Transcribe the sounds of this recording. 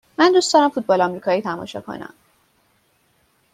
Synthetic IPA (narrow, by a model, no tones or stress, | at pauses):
mænd̪uːsd̪ɒːɾæmfuːt̪̚bɒːlɒmɾiːkʰɒːjiːt̪ʰæmɒ̰ːʃɒ̰kʰo̰næ̰m